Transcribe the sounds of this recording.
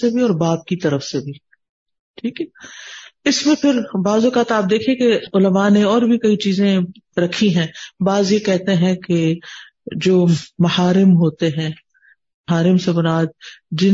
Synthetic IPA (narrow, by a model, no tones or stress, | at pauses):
ebʱiɔːɾbaːp̚kit̪ɐɾəfsebʱi | ʈʰiːkɦɛ | ɪsmẽpʰɪɾbaːzʊkaːt̪aːp̚d̪eːkʰeẽkeʊləmaneɔːɾbʱikɐit͡ʃiːzẽ | ɾɐkʰiɦɛ̃ːbaːzjekɛɦt̪eɦɛ̃ke | d͡ʒoːmɐhaːɾɪmɦoːt̪eɦɛ̃ː | ɦaːɾɪmsebɐnaːd̪̚d͡ʒɪ